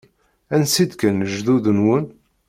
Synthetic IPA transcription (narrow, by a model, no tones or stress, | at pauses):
ænsid̪kənəʒðuðənwən